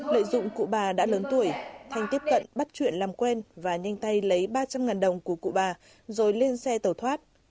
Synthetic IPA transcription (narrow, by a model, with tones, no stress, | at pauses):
lə̰ː˧˨jzʊ̰˧˨ŋ͡mkṵ˧˨ɓaː˨˩ɗa̰ː˧˥ləː˨˦nt̪u˧˩əjt̪ʰɛ˨˩jŋ̟t̪i˦˥əp̚kə̰˧˨nɓa˦˥t̚t͡ɕwḭ˧˨ənlaː˨˩mkwɛ˧nvaː˨˩ɲa˧jŋ̟t̪a˧jlə˨˦jɓaː˧t͡ɕa˧mŋaː˨˩nɗə˨˩wŋ͡mku˧˩əkṵ˧˨ɓaː˨˩ | zo˨˩jle˧nsɛ˧t̪əː˨˩t̪ʰwaː˦˥t̚